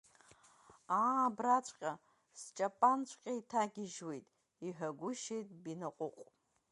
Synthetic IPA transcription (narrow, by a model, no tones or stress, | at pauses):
abrat͡ɕʷʰʼqʲʼa | st͡ʃʼapʼant͡ɕʷʰʼqʲʼaitʰaɡʲɪʒwejtʼ | iħᶣaɡʷʊʃejtʼbinaqʷʼʊqʷʼ